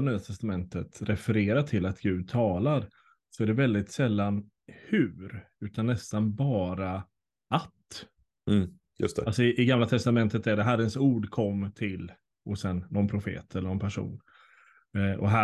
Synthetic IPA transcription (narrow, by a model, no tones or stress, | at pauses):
nyːat̪ʰɛst̪amɛnt̪ət̪ɾɛfɛɾeːɾaʈʰɪlːat̪ɡ̥ʉ̟ːd̪̚t̪ʰɑːlaɾ | sɔæɖɛvɛld̪ɪt̪sɛlːan | hʉːɾ | ʉ̟ːt̪anːɛst̪anbɑːɾa | at̪ː | jɵ̰st̪ɛalsɔɪʔɪɡamlat̪ʰɛst̪amɛnt̪ət̪æɖɛɦæɾənsuːɖkʰɔmːt̪ʰɪl | ɔsɛnːɔnpʰɾʊfḛːt̪ʰɛlːəɳɔnpʰæʂṵːn | ʔɔ̰ɦæ